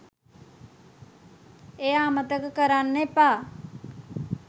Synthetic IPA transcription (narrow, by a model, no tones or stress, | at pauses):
eaːmət̪əkkəɾanːepaː